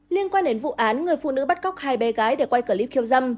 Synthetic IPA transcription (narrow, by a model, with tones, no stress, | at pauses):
li˧ənkwaː˧nɗe˨˦nvṵ˧˨ʔaː˨˦nŋɨ˨˩əjfṵ˧˨nɨ̰˧˥ɓa˦˥t̚ɣa˦˥wk͡p̚haː˧˩jɓɛ˨˦ɣaː˨˦jɗe˧˩kwa˧jkəː˧˩li˦˥p̚kʰi˧əwzə˧m